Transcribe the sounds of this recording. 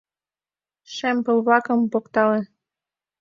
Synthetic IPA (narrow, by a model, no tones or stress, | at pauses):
ʃempɤ̆lβlɑkə̆mpokt̪ɑlĕ